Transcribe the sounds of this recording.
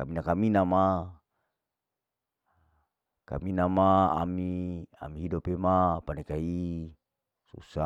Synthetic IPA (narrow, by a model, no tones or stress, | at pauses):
ka̰minakaminama | ka̰minamaa̰mia̰miɦidɔpemapanekai | sṵsa